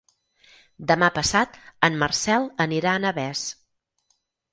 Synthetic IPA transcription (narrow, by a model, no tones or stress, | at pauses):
d̪əmapəsat̪ənmərsɛlˠəniɾaənəβɛs